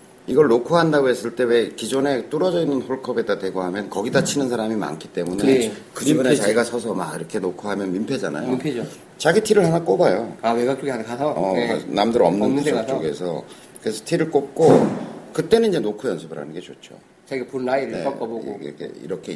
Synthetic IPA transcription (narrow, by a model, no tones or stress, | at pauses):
iɡʌɭnokʰuɦandaɡoɦe̞s͈ɯɭt͈e̞we̞kid͡ʑone̞t͈uɾʌd͡ʑʌinːɯnɸoɭkʰʌbedadwe̞ɡoɦamjʌnkʌɡidat͡ɕʰinɯns̬ʰaɾamima̰nkʰit͈e̞munekɯdibunet͡ɕaiɡasʰʌsʰʌmaɡiɾʌkʰe̞nokʰoɦamjʌnmimpʰed͡ʑana̰joimpʰed͡ʑo | t͡ɕaɡitʰiɾɯɭɦanak͈obajoaweɡak̚t͡ɕ͈oɡiankasʰʌʌa̰namdɯɾʌmnɯneɡat͡ɕoɡesʰʌ | kɯɾesʰʌ̥tʰiɾɯɭk͈op̚k͈okɯt͈e̞nɯnid͡ʑe̞nokʰujʌnsʰɯbɯɾɦa̰nɯnɡe̞t͡ɕot͡ɕ͈ʰo̰ | t͡ɕaiɡapunːaiɾɯneʌkkʌboɡ̰kʰḛḭɾʌkʰe̞